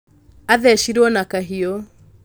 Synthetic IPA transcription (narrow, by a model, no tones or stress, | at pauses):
aðɛʃiɾwɔnakaɦio